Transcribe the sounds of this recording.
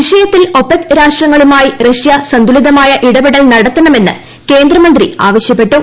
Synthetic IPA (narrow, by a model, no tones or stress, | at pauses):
ʋiʂɐjɐt̪ːilo̞pːekɾaːʂʈrɐŋːɐɭumaːjireʂjɐsɐnd̪uliðɐmaːjɐʔiɽɐbiɽɐlnɐɽɐt̪ːɐnɐme̞nːɨ̰ | ke̞ːnd̪rɐmɐnd̪ria̰ːʋɐɕjɐpːe̞ʈːu